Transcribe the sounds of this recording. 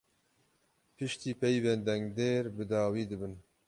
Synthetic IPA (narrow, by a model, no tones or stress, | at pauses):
pʰɨʃt̪iːpʰɛjvɛnd̪ɛŋɡd̪eːɾbɨd̪ɑːwiːd̪ɨbɨn